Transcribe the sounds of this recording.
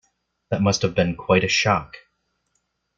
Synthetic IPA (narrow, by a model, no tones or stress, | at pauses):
ðɨt̚mʌst̚hɨvbɨ̃nkʰw̥aɪɾɨʃɑk